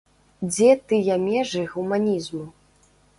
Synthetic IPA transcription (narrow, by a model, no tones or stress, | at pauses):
d͡zʲɛt̪ɨjamʲɛʐɨɣumanʲizmu